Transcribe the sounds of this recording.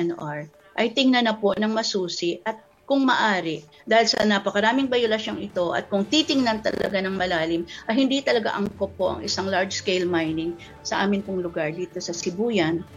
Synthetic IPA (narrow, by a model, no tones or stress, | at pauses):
ɛnʔaɹ | ʔɐjt̪ɪŋnɐnɐpo̞nɐŋmɐsuːsɪʔʔɐt̪̚ | kʊŋmɐ̰ʔaːɾɪ | d̪aːhɪlsɐ̰nɐpɐkɐɾaːmɪŋbɐjolɐʃoŋɪt̪o̞ʔɐ̰t̪̚kʊŋt̪it̪ɪŋnɐnt̪ɐ̰lɐ̰ɡanɐŋmɐlaːlɪmʔɐjhɪnd̪it̪ɐlɐɡa̰ʔɐŋkopoʔɐ̰ŋʔɪ̰saŋlaɹd͡ʒskejlmajnɪŋ | sɐʔaːmɪnpʊŋlʊɡaɹd̪iːt̪o̞sɐsɪbuːjɐn